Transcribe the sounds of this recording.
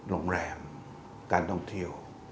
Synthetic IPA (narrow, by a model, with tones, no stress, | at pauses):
ɾoː˧˩ŋɾɛː˧˩m | kaː˧nt̪ʰɔ˥˧˩ŋt̪ʰi˥˩əw